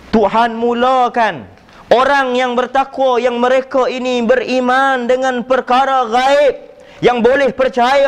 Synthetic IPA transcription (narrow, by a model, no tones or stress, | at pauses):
t̪uɦanmũlakan | ʔoɾaŋjaŋbərt̪akwajaŋməɾekainibərimandəŋãnpərkaɾaɣaɪp̚ | jaŋbolɛhpərt͡ʃaja